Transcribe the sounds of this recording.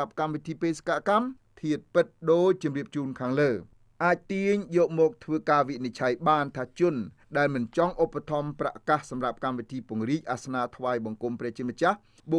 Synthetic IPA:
ap̚kamʋit̪ʰiːpeːse̥kaʔkam | t̪ʰiət̪̚pɨt̪̚ɗoːc̚t͡ɕɑmriəp̚t͡ɕuːnkʰaːŋləː | ʔaːc̚t̪iəɲjɔːʔ̚mɔːk̚t̪ʰʋəːkaːʋiʔnit͡ɕʰajɓaːnt̪ʰaːt͡ɕʊən | ɗaɛlmɨnt͡ɕɑŋʔopːat̪ʰɑmpra̰ʔkahsɑmrap̚kamʋit̪ʰiːpŭəŋriːc̚ʔasnaːt̪ʰʋaːjɓɑŋkumprɛ̆ːht͡ɕiəmət͡ɕah | ɓo

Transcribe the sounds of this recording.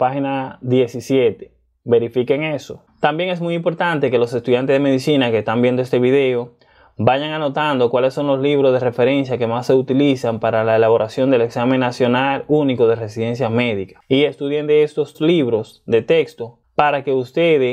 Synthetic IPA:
pahinaðje̞sisje̞t̪e̥ | βe̞ɾifike̞ŋe̞so̞ | t̪ambje̞ŋesmujimpo̞ɾt̪ant̪e̞ke̞lo̞se̞st̪uðjant̪ezðemeðisinakest̪ambje̞nd̪oe̞st̪e̞βiðe̞o | βaʝaŋano̞t̪and̪o̞kwale̞sːo̞ŋlo̞sliβɾozðe̞re̞fe̞ɾe̞nsjake̞masːe̞ut̪ilisampaɾalaelaβo̞ɾasjo̞nd̪e̞le̞ksamẽ̞ŋːasjo̞naluniko̞ðe̞re̞siðe̞nsjame̞ðikḁie̞st̪uðje̞nd̪eest̪o̞sliβɾo̞s | d̪e̞t̪e̞kst̪o̞ | paɾake̞ust̪e̞ðe

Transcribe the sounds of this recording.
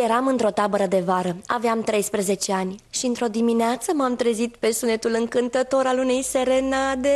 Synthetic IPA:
jeɾamɨnt̪ɾo̞t̪abəɾəd̪e̞vaɾəa̰veamt̪ɾe̞jspɾeze̞t͡ʃe̞anʲʃiɨnt̪ɾo̞d̪imineat̪səmamt̪ɾezit̪pe̞sunet̪ulɨŋkɨnt̪ət̪o̞ɾalune̞jse̞ɾe̞nad̪e̞

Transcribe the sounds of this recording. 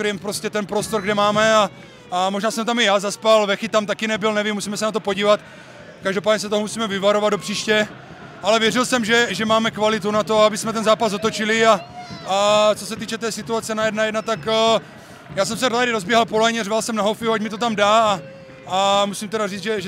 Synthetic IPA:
ɾɛmpɾoscɛt̪ɛnpɾo̞st̪o̞ɾɡdɛmaːmɛa | amo̞ʒnaːsɛmt̪amɪjaːzaspalvɛxɪt̪amt̪akɪnɛbɪlnɛvimːusiːmɛsɛnat̪opo̞ɟiːvat̪ | kaʒdo̞paːdɲɛsɛt̪oɦomusiːmɛvɪvaɾo̞vad̪dopr̝̥iːʃcɛ | alɛvjɛrɪlsɛmʒɛʒɛmaːmɛkvalɪt̪unat̪o̞aabɪsmɛt̪ɛnzaːpazot̪o̞t͡ʃiliaat͡so̞sɛt̪iːt͡ʃɛt̪ɛːsit̪uat͡sɛnajɛdnajɛdnat̪ak | jaːsɛmsɛɾoaɾɪɾo̞zbjɛɦalpo̞lɛɲɛrvalsɛmnaɦowfiuacmit̪ot̪amdaː | musimt̪ɛɾariːd͡zʒɛʒ

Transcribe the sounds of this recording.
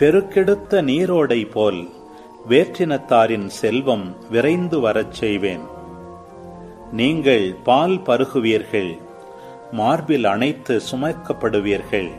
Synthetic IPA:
pɛɾɯkːɛɽɯt̪ːɐniːɾoːɽɐɪpoːl | ʋeːʈrɪnɐt̪ːaːɾɪnsɛlʋɐmʋɪɾɐɪnd̪ɯʋɐɾɐt͡ʃːɛjʋeːn | niːŋɡɐɭpaːlpɐɾɯɣɯʋiːɾɣɐɭ | maːɾbɪlɐnɐɪt̪ːɯsʊmɐkːɐpːɐɽɯʋiːɾɣɐɭ

